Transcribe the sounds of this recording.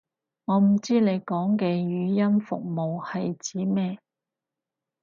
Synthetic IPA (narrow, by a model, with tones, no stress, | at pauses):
ŋɔː˨˧m̩˨˩t͡siː˥ne˨˧jkɔː˨˥ŋkɛː˧jyː˨˧jɐ˥nfʊ̰˨k̚mo˨whɐ˨jt͡siː˨˥mɛː˥